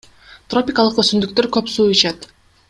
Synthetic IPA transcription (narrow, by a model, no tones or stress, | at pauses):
t̪ro̞pʲɪkalˠəqøsynd̪yk̚t̪øɾkøpsuːit͡ʃɑt̪